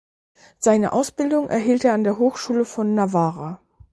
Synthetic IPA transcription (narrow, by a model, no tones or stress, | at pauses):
z̥aɪnə̰ʔaʊsb̥ɪldʊŋʔɛ̰ɐɦiːlteːɐandeːɐɦoːxʃuːləfɔnːavaːʁa